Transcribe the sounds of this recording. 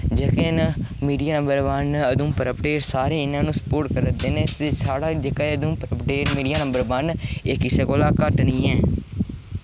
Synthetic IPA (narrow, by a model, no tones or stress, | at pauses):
d͡ʒəkeːnmiːɖijaːnəmbəɾbənəd̪ũːpəɾəpəʈeːɾsaːɾeːɪnãːnũːsə̥poːɾʈkəɾəd̪eːneːt̪eːsaːɽaːd͡ʒekaəd̪ũːpəɾəpəʈeːɾmiːɖijaːnəmbəɾbənɪkːɪseːkoːlaːkəʈnĩːɛ̃ː